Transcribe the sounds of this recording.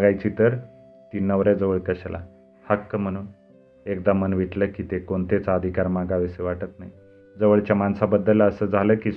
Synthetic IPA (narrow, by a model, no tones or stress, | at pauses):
ɡajt͡ɕiːt̪əɾ | t̪inːəʋɾad͡zəʋəɭkəɕala̰ | həkːəm̤əɽ̃uːn | ekd̪amənʋiʈləkiːt̪ekoɳt̪et͡saəd̪ʱikaɾmaɡaʋeseʋaʈət̪naɦi | d͡zəʋəɭt͡ɕjamansabəd̪ːələsəːd͡zʱaləːki